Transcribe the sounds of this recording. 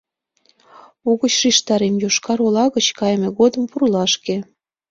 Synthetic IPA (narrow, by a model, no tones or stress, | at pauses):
uɣət͡ɕʃiʃt̪ɑɾemjoʃkɑɾolɑɣət͡ɕkɑjmeɣod̪ə̆mpuɾulɑʃke